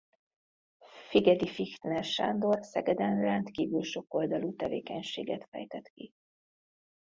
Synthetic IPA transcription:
fiɡɛd̪ifixt̪nɛʃa̰nd̪o̞rsɛɡɛd̪ɛnrɛnt̪kiːvylʃo̞ko̞ld̪ɒluːt̪ɛvḛːkɛɲʃeːɡɛt̪fɛ̰jt̪ɛt̪ki

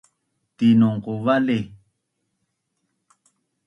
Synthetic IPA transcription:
tinoŋkovale

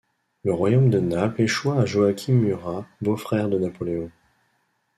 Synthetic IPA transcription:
ləʁwajomd̪ənapleʃwaːʒoakʲʰimyʁabofχɛʁd̪ənapɔleɔ̃

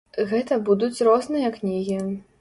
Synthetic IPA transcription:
ɣɛt̪ɐbud̪ut͡sʲrɔznɨjɐknʲiɣʲi

